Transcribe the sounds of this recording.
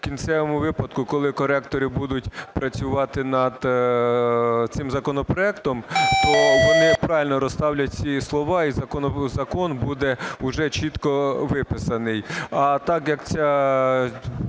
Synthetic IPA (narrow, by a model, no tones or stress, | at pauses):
kʲint̪sɛʋɔmʊʋɪpɐd̪kʊkɔlˠɪkɔɾɛkt̪ɔɾɪbud̪ʊtʲpɾɐt͡sʲʊʋɑt̪ɪnɐd̪ | t̪sɪmzɐkɔnɔpɾɔɛkt̪ɔmt̪ɔʋɔnɪpɾɑʋɪlʲnɔɾɔst̪ɑwlʲɐt̚ʲt͡sʲislˠɔʋɑizɐkɔnɔzɐkɔnbud̪ɛʊʒɛt͡ʃit̪kɔʋɪpɪsɐnɪjɐt̪ɑkjɐkt͡sʲa